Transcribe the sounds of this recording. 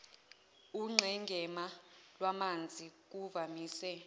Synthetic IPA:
uŋ͡ǁʱɛŋɡʱɛmalwamand͡zʱik̬uvamiːsɛ

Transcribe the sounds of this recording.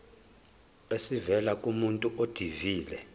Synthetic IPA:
esivɛlakʼumuntʼuʔod̥ʱiviːlɛ

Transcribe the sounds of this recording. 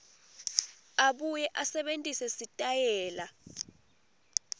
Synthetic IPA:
aɓujɛʔasɛɓentʼisɛsitʼajɛːla

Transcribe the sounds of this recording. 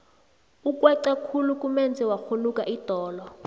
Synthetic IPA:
ukʼwɛǀakʰulukʼumɛnd͡zʱɛwaxolukʼaʔitɔːlɔ

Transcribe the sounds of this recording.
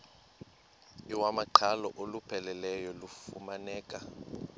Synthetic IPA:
iwamaǃʰalɔʔolupʰɛlɛlɛjɔlufṵmanɛːkʼa

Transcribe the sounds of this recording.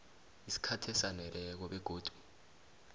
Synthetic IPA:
isi̥kʰatʰɛsanɛlɛk̬ɔɓɛɡ̥ʱoːd̥ʱu̥

